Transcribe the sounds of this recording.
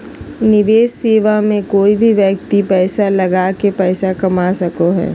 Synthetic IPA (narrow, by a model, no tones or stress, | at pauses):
nɪʋeːsseːʋamẽkoːibʱiʋjɐk̚t̪ipɛːsalɐɡaːkepɛːsakɐmasɐkoɦɛ̰ː